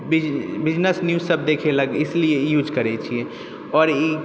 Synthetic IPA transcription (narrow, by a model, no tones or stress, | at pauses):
bbɪd͡ʒnəsnjuːzsəbd̪ekʰeləɡɪsliejuːd͡ʒkəɾɛt͡ʃʰiɛ | ɔːɾi